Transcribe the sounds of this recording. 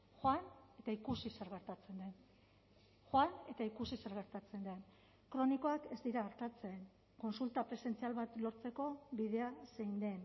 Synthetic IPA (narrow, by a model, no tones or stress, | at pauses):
xoane̞t̪aikusiseɾɣeɾt̪at͡se̞nd̪en | xoane̞t̪aikusiseɾɣ̞e̞ɾt̪at͡se̞nd̪een | kɾo̞niko̞ake̞zd̪iɾaːɾt̪at͡se̞ːn | ko̞nsult̪apɾe̞se̞nt͡sialβat̪lo̞ɾt͡se̞ko̞βið̞e̞aseind̪e̞n